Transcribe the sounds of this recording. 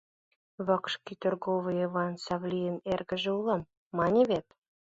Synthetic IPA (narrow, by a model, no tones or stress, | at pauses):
βɤkʃkʲit̪urɡovəjevɑnsɑvlʲijənerɡə̆ʒĕulɑmː | ɑnʲeβʲet̪